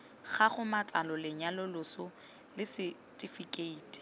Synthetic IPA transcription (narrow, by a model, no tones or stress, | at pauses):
χaχʊmat͡sʼalɔlɪɲalʊlʊsʊ | lɪsɪ | tʼifikʼeiːtʼi̥